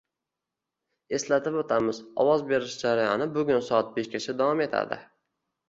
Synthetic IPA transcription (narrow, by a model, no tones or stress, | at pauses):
e̞slat̪ʰɪpot̪ʰamɪzɒ̰wɒzbe̞ɾɪʃd͡ʒaɾajɒnɪbʊɡʲʊnsɒat̪̚beʃkʲat͡ʃʰad̪avɒme̞t̪ʰa̰d̪ɪ̰